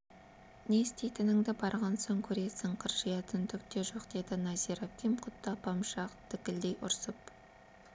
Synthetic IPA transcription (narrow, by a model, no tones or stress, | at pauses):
ne̞st̪ejt̪ʰɪnɪŋd̪ɪbɑɾʁɑnsoŋkʲʰɵɾesɪŋqʰəɾʒijɑt̪ʰʏnd̪ɪkt̪e̞ʒo̞qd̪e̞d̪ɪnɑziɾakʲimqʰʊt̪ːɑpʰɑmʃɑqt̪ʰɪkʲɪld̪ejʔʊɾsəp